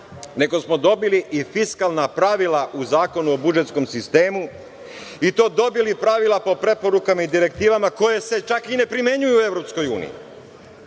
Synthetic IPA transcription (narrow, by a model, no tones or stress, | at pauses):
ne̞ɡo̞smo̞d̪o̞biliʔifiskalˠnapɾaʋilaʔuzaːko̞nuo̞bud͡ʒe̞t̪sko̞msist̪e̞ːmu | it̪o̞ːd̪o̞bilipɾaʋilˠapo̞pɾe̞po̞ɾukamaid̪iɾe̞k̚t̪iːʋamako̞je̞se̞t͡ʃakine̞pɾime̞ɲujuːe̞ʋɾo̞psko̞jṵːnḭḭ